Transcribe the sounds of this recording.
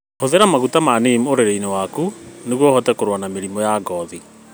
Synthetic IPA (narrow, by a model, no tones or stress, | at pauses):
hoðeɾamaɣutamanemoɾeɾeinewakuneɣwɔhɔtɛkoɾwanameɾimɔjaɡɔði